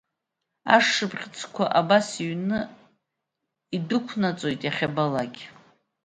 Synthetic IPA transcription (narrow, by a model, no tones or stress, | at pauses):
a̰ʂɨpʰʼχʲt͡sʰʼkʷʰaʔabasiɥnɨ | idɨkʷʰnat͡sʼo̞jtʼjaχʲabalaɡʲ